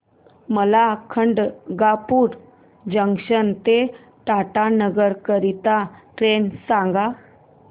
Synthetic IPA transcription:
məlakʰəɳɖɡapuːɾ | d͡ʑəŋɕənt̪e | ʈaʈanəɡəɾkəɾit̪aʈɾensãŋɡa

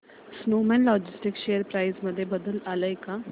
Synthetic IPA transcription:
snomɛnlɔd͡ʑɪsʈikʃejəɾpɾajzməd̪ʱːjebəd̪əlalaeka

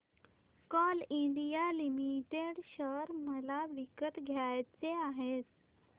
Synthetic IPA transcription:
kɔliɳɖijalimiʈeɽɕəɾməlaʋikət̪ɡʱjajt͡seaɦet̪

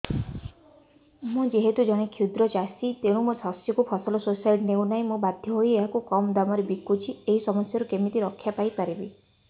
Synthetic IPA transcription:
mũd͡ʒeɦet̪ud͡ʒɔɽ̃ekʰjud̪ɾɔt͡ʃasit̪eɽ̃ũmusɔsjɔkupʰɔsɔlɔsosajʈneũnaĩmũbad̪ʱjɔɦojeɦakukɔmd̪amɔɾebikːut͡ʃʰieɦisɔmɔsjɔɾukemit̪iɾɔkʰːjapajpaɾibi

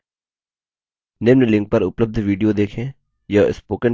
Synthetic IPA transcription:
neːmnlɪ̃ŋk̚pɐɾʊpləb̚d̪ʱʋiːɖijod̪eːkʰẽː | jɐɪspoːkə̃ɳ

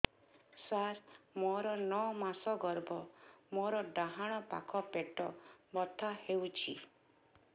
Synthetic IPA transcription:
saɾmɔɾɔnɔmasɔɡɔɾbɔmoɾɔɖaɦaɽ̃ɔpa̰kʰɔpeʈɔbɔt̪ʰahewt͡ʃʰi

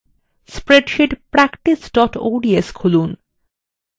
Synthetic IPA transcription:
spɾeɖʃiʈpɾækʈisɖɔʈo̰ɖieskʰolun

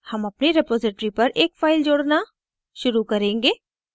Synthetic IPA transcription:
hɐmɐpniɾɪpoːzɪʈɾipɐɾʔeːkfaːɪld͡ʒoːɽna | ʃʊɾukɐɾẽːŋɡeː

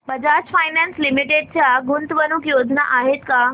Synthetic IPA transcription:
bəd͡ʑaːt͡ɕfaːjnanslimiʈeɖ̚t͡ɕjaɡunt̪ʋənukjoːd̪ʱna̰ʔaːɦet̪ka

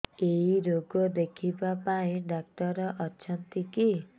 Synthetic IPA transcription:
eɦiɾoɡɔd̪ekʰibapaĩɖak̚ʈɔɾɔʔɔt͡ʃʰɔnt̪iki

